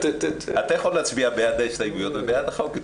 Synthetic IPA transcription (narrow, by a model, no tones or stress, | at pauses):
t̪t̪at̪ajaχolːeat͡sbiabejad̪eʃt̪ajiɡujot̪bebejad̪χak